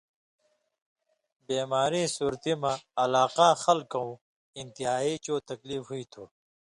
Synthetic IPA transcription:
beːmaːɾĩːsuːɾt̪imãːlaːqãːxɐlkɐ̃ũ | int̪iɦaːit͡ɕoːt̪ɐkliːfɦuit̪ʰuː

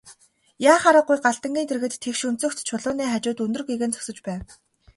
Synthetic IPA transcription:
jaːχaɾə̆qːʊjɢaɮt̪ə̆ŋɡʲiːnt̪ʰerɣɘ̆t̪t̪ʰːekʃɵn̥t͡sɵ̆kt̪t͡ɕʰʊɮʊːniːχat͡ɕʊːt̪ɵnd̪ɵ̆rɡeɣɘ̆nt͡sʰɵ̥sɵ̆t͡ɕpæːw̪

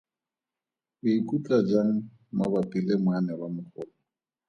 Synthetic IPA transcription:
bɪikʼut͡ɬʼad͡ʒaŋ̩ | mabapʼilemwanɛbamʊχʰɔːlɔ

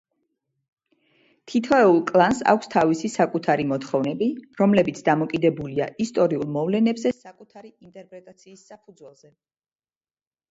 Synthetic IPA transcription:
t̪ʰit̪ʰɔɛulˠkʼlˠansa̰kʷʰst̪ʰavisisakʼut̪ʰaɾimɔt̪χɔvnɛbiɾɔmlɛbit̪sʰd̪amɔkʼid̪ɛbulia̰ʔist̪ʼɔɾiulˠmɔvlɛnɛbzɛsakʼut̪ʰaɾiint̪ʼɛɾpʼɾɛt̪ʼat̪sʰiːsːapʰud̪zwɛlˠz̥ɛ

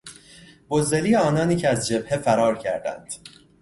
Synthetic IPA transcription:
b̥ozːeliːeɒːnɒːniːcʰeæzd͡ʒe̞b̥̚hefæɾɒːɾcʰæ̰ɾd̪æ̰nd̪̥

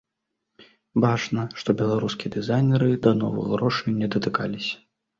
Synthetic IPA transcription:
bat͡ʂnɐʂt̪ɔbʲɛlˠaɾuskʲiɛd̪ɨzajnʲɛɾɨd̪ɐnɔ̰vɨ̰ɣɣɾɔʂɨjnʲːɛd̪ɐt̪ɨkalʲisʲɐ̥

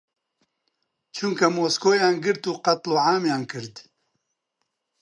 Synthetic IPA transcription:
t͡ʃʰuŋkɐmoːskoːjaːnɡɨɾt̪uːqɐt̪loːʕaːmjaːnkʰɨɾd̪

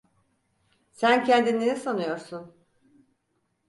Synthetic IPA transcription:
sæncʰɛnd̪inːenisanɯjo̞ɾsun

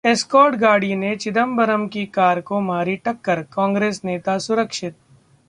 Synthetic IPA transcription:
eskɔːʈɡaːɽinet͡ʃɪd̪əmbɐɾəmkikaːɾkomaːɾiʈɐkːəɾkãːŋɡɾeːsneːt̪asʊɾəkʃɪt̪̚

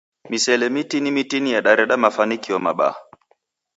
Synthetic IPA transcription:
misɛlɛmitinimitinijaɗaɾɛɗamafanikiɔma̰ɓa̰

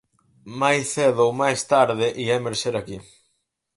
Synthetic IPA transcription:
majsθeðowmajst̪aɾðɪʔiɛmeɾʃeɾaki

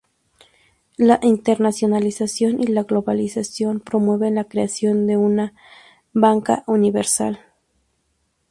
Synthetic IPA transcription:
laʔint̪eɾnasjonalisasjonʔilaɣloβalisasjo̞mpɾomweβenlakɾeasjond̪euna | βaŋka̰ʔuniβeɾsa̰l

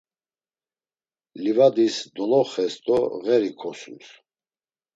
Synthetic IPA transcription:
livad̪isd̪ɔlɔχɛst̪ʼɔɣɛɾikʰɔsṵs

